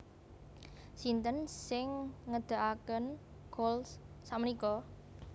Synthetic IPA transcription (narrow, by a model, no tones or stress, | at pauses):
sint̪ənsɪŋːəd̪̥a̤ʔakən | ɡ̥ols | samənikɔ